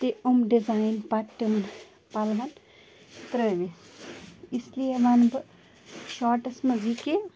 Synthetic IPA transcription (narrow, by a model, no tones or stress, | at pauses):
t̪eomɖizajnpaʈːimɐn | palʋan | t̪ɾəʋes | islieʋanbɨ | ʃɔːʈɐsmɐzike